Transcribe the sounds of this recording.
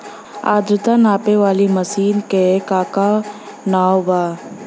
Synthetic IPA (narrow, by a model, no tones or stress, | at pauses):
a̰ːd̪ɾʊt̪anaːpeʋaːlimɐsiːnkekaːka | naːwbaː